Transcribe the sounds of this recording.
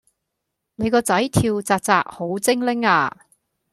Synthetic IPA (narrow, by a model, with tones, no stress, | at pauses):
ne˨˧jkɔː˧t͡sɐ˨˥jt̪ʰiː˧wt͡saː˧k̚t͡saː˧k̚ho˨˥wt͡sɪ˥ŋlɪ˥ŋaː˧